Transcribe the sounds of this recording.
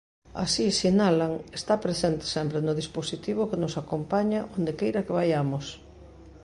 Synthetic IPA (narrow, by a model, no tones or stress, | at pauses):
a̰sisinalaŋest̪apɾesent̪ɪ̥sɛmpɾenʊðisposit̪iβ̞ʊkenʊsakompaɲaʔond̪ekejɾɐkeβ̞ajamʊs